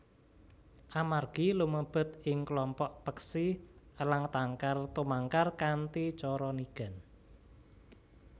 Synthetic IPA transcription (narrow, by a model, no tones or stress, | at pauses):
ʔamarɡ̥iluməb̥ʊ̤t̪ɪŋklɔmpɔʔpəksiəlaŋt̪aŋkart̪umaŋkarkant̪it͡ʃɔɾɔniɡ̥a̤n